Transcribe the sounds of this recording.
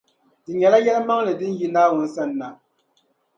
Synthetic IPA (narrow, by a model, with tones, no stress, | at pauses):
tɨ˨ɲɛ˨la˦jɛ˦lɨ˦ma˦ŋ˦lɨ˨dɨ˦n̩˦ji˦naː˦wu˨n̩˦sa˦˨nː˨a˨